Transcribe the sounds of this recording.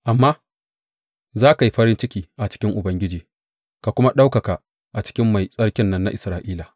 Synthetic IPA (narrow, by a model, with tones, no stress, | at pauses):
ʔa˨mːaː˦ | zaː˦ka˨ji˦ɸɐ˦ɾɪ˦nt͡ʃɪ˦kʲiː˨ʔa˨t͡ʃɪ̥˦kʲɪ˦ŋʔʊ˨bɐ˦ŋɡʲɪ˦d͡ʒiː˨ | ka˨kʷʊ˦ma˦ɗa˦wkɐ˨ka˨ | ʔa˨t͡ʃɪ̥˦kʲɪ˦mːa˨jsʼɐ˦ɽkʲɪ˦nːɐ˦nːa̰˦ʔɪ˨sɾaː˨ʔiː˦la˨